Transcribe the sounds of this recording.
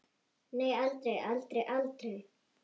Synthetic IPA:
nejalt̪ɾejalt̪ɾejʔalt̪ɾej

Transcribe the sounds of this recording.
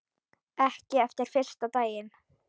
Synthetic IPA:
ɛhcɪɛft̪ɪɾ̥fɪr̥st̪at̪aːjɪn

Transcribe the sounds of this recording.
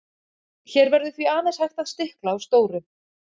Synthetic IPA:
çɛɾvɛɾðʏθviaːðɛnshajxt̪aðst̪ɪhklaawst̪oːwɾʏ

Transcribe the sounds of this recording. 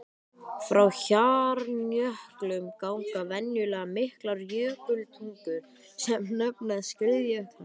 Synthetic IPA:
fɾawçaːɾnjœhklʏmkawŋkavɛnjʏlɛːɣamɪhklaɾjœːkʏlt̪ʰiŋkʏ | sɛmnɛpnaðscɪðjœht̪a

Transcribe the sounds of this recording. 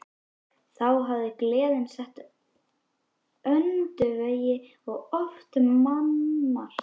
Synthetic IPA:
θawɦavðɪklɛːðɪnsɛht̪ | œnt̪ʏveːjɪ | ɔɣɔft̪manːaɾ̥

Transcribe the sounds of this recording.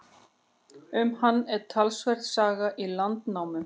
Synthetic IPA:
ʏmhanːɛɾ̥t̪ʰalsvɛr̥t̪saːɣaʔilant̪nawmʏ

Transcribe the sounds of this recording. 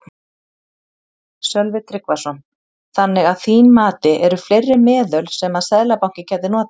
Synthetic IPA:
sœlvɪt̪ʰɾɪkvasɔn | θanːɪɣaðθiːnmaːt̪ɪʔɛɾʏflejrːɪmɛːðœlsɛmaðsɛðlapawŋ̥cɪcʰɛːt̪ɪnɔːt̪

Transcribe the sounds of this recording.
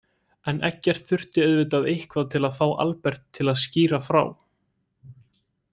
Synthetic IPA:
ɛnʔɛ̰hcːɛr̥t̪fʏr̥t̪ɪœðvɪt̪aðejhkʰvaðt̪ʰɪlaðfaːwʔa̰lpɛɾ̥t̪ʰːɪlaðsciːɾafɾa̰ːw

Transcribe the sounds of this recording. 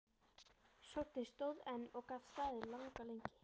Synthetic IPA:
sowɾ̥t̪ɪst̪owðɛnːɔɣkaðst̪aːðɪlaŋkalejɲcɪ̥

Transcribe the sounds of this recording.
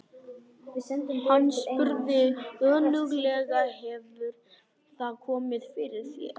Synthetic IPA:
hanːspʏɾðɪœːnʏɣlɛɣaɦɛvʏɾ̥ | θaðkʰɔːmɪðfɪɾɪɾ̥θɛ̰

